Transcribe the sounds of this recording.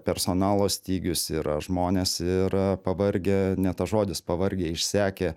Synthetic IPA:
pʲɛɾsoːnɑːlˠoːsʲt̪ʲiːɡʲʊsiːɾɐ̰ʒmoːnʲeːsɪɾpɐʋɐɾʲɡʲeːnʲɛt̪ɐʒoːd̪ʲɪspɐʋɐɾʲɡʲeːɪʃʲsʲæːkʲeː

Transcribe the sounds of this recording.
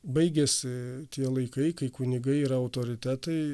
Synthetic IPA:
bɐɪɡʲɛsʲɪt̪ʲiɛlˠɐɪkɐɪkɐɪkʊnʲɪɡɐɪiɾɐɐʊt̪oːɾʲɪt̪ʲæt̪ɐɪ

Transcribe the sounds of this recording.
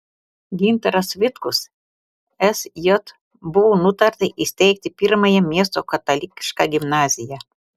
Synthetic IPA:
ɡʲɪnʲt̪ɐɾɐsʋʲɪt̪kʊs | ɛsjɔt̪ | bʊʋonʊt̪ɐɾt̪ɐʔɪsʲt̪ʲɛɪk̚t̪ʲɪpʲɪɾmɐjɛmʲiɛst̪oːkɐt̪ɐlʲikʲʃkɑɡʲɪmnɑːzʲɪjɛ

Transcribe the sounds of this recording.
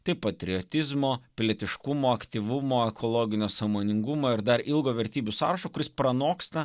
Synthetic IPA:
t̪ɐɪpɐt̪ʲɾʲɪoːt̪ʲɪzmoːpʲlʲɛt̪ʲɪʃkʊmoːɐkt̪ʲiːʋʊmoːɛkʰoːlˠoːɡʲɪnʲoːsɐmoːnʲɪŋɡʊmoːɪɾd̪ɐɾilˠɡoːʋʲɛɾʲt̪ʲiːbʲʊsɑ̰ːɾɐʃoːkʊɾʲɪspɾɐnoːkst̪ɐ

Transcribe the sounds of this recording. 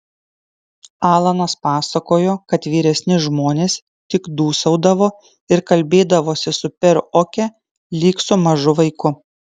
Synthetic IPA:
ɑːlˠɐnɐspɑːsɐkoːjoːkɐt̪ʋʲiːɾʲɛsʲnʲɪʒmoːnʲeːs | t̪ʲɪkd̪uːsɐʊd̪ɐʋoː | ɪɾkɐlʲbʲeːd̪ɐʋoːsʲɪsʊpʲɛɾoːkʲɛ | lʲiːksʊmɐʒʊʋɐɪkʊ

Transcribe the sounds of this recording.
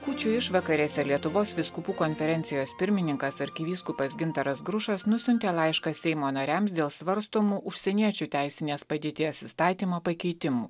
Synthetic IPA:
kuːt͡ʃʲuːɪʃʋɐkɐɾʲeːsʲɛlʲiɛt̪ʊʋoːsʋʲɪskʊpuːkonʲfʲɛɾʲɛnʲt̪ʲɪjoːspʲɪɾʲmʲɪnʲɪŋkɐsɐɾʲkʲɪʋʲiːskʊpɐsɡʲɪnt̪ɐɾɐsɡɾʊʃɐsnʊsʲʊnʲt̪ʲeːlˠɑɪʃkɐsʲɛɪmoːnɐɾʲæms̬d̪ʲeːlˠsʋɐɾst̪oːmuːʊʃʲsʲɛnʲiɛt͡ʃʲuːt̪ʲæˑɪsʲɪnʲeːspɐd̪ʲeːt̪ʲiɛsɪst̪ɑːt̪ʲiːmoːpɐkʲɛɪt̪ʲɪmṵː

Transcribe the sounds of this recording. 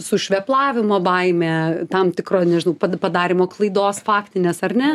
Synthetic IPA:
sʊʃʲʋʲɛplˠɑːʋʲɪmoːbɐɪmʲeːt̪ɐmt̪ʲɪkɾoːnʲɛʒʲɪnɐʊpɐpɐd̪ɑːɾʲɪmoːklˠɐɪd̪oːsfɑːkt̪ʲɪnʲeːsɐrnʲɛ

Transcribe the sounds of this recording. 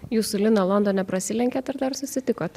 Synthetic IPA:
juːsʊlʲɪnɐlˠɔnd̪oːnʲɛpɾɐsʲɪlʲɛŋʲkʲeːt̪ɐɾd̪ɐɾsʊsʲɪt̪ʲɪkoːt̪

